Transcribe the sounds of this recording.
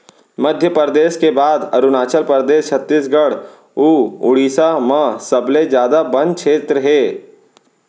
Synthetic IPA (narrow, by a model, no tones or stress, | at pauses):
məd̪ʱjəpəɾd̪eːʃkebaːd̪ɐɾʊnaːt͡ʃəlpəɾd̪eːʃt͡ʃʰɐt̪ːiːsɡəɽ | uːʊɽiːsamãsɐbled͡ʒjaːd̪abɐnkʃʰeːt̪ɾəɦɛː